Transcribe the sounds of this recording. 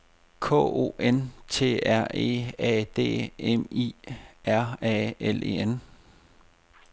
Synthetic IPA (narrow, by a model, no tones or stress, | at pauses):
kʰɔ̰̽ːo̝̰ːʔent͡sʰe̝̰ːæɐ̰e̝̰ːɛ̰ːd̥e̝̰ːemḭæɐ̰ɛelʔe̝̰ːen